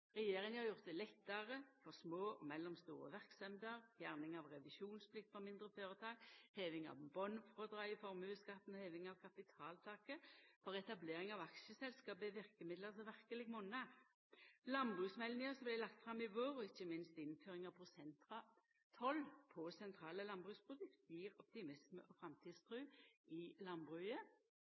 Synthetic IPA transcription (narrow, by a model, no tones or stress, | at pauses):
ʁɛjeːɾɪŋhɑʁjʊʁt̪ɛlɛt̪ːɑʁəfɔʁsmoːmɛlːɔmst̪ṵːɾə̰ʋæʁksɑmd̪əʁfjæʁnɪŋɑʋʁɛʋɪʃuːnspʰlɪk̚t̪fɔmɪnd̪ʁəføːʁət̪ʰɑːɡ̥heːʋɪŋɑ̰ʋbɔnfʁɔd̪ʁɑɪfɔɾmʉːskɑt̪n̩ɔheːʋɪŋɑʋkʰɑpɪt̪ʰɑːlt̪ʰɑːkəfɔʁɛt̪ɑbleːɾɪŋɑʋɑkʃəsɛlskɑːbɛʋɪʁkəmɪd̪ləʁsɔʋæʁkəlɪɡmɔnæ | lɑnbʁʉːsmɛlnɪŋəsɔmblæɪlɑk̚t̪fɾɑmːɪʋoːʁɔɪçːəmɪnst̪ɪnføːɾɪŋɑʋpʰʁʊsɛnt̪ʁɑ | t̪ʰɔlpʰɔsɛnt̪ʰʁɑːləlɑnbʁʉspʰʁʊd̪ʉkt̪jiːʁɔp̚t̪ɪmɪsməʔɔfɾɑmt̪ʰiːd̪st̪ʰʁʉːɪlɑnbʁʉːə